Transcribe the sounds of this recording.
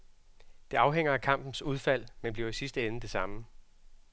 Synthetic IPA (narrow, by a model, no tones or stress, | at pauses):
d̥e̝ɑ̈ʊɦeŋ̰ɐækʰɑ̈m̰b̥n̩suð̞ˠfæl̰menb̥liɐisisd̥əenəd̥e̝sɑ̈mə